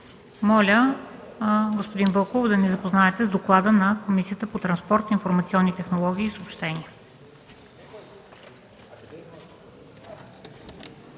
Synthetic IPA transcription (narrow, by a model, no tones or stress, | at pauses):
mɔlʲə | ɡospod̪invəlˠkovod̪ɐnɛzɐpoznaɛt̪ɛzd̪oklˠad̪ənɐkomisijət̪əpot̪ɾɐnspɔɾt̪infoɾmɐt̪siɔnːit̪ɛxnolˠɔɡʲiːsopʃt̪ɛniə